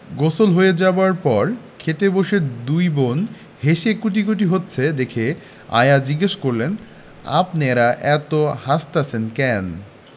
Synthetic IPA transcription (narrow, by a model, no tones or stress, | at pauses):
ɡosolɦoed͡ʑaaɾpɔɾkʰet̪eboʃeɾd̪ujbon | heʃekuʈ̬ikoʈ̬iɦotːɕʰed̪ekʰe | a̰jad͡ʑiɡeʃkoɾlen | a̰pneeɾaʔɛt̪ohast̪at͡ɕʰenkɛn